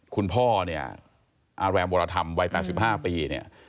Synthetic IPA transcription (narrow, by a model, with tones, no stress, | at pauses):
kʰu˧npʰɔː˥˩ni˥˩ɐ | ʔa˧ɾɛː˧nboː˧ɾaː˧t̪ʰa˧mwa˧˥jpɛ̰ː˨˩t̪̚si˨˩p̚ɦaː˥˩piː˧ni˥˩ɐ